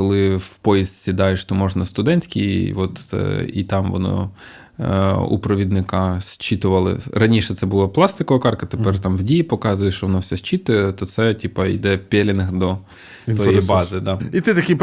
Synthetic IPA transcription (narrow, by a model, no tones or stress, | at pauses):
kɔlˠɪwpɔjist̪ʲsʲid̪ɑjeʃt̪ɔmɔʒnɐst̪ʊd̪ɛnʲsʲkʲij̰ʋɔt̪ḭt̪ɑmʋɔ̰nɔ̰ | ṵpɾɔʋʲid̪nɪkɑsʲt͡ʃit̪ʊʋɐlˠɪ̰rɐnʲiʃɛt̪sɛbʊlˠɑplˠɑst̪ɪkɔʋɐkɑrkɐt̪epɛrt̪ɑmʋdʲijipɔkɑzʊjɛʃt͡ʃɔʋɔnɔfsʲɛsʲt͡ʃit̪ʊjɛt̪ɔt̪sɛtʲipɐḭd̪ɛpʲɛlʲɪnɪxd̪ɔ | t̪ɔjibɑzɪd̪ɑit̪ɪt̪ɐkʲij